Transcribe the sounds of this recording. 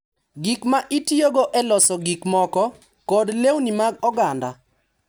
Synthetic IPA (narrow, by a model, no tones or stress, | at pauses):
ɡikmaʔitjoɡoʔɛlɔsɔɡikmɔkɔ | kɔdlewnimaɡɔɡanda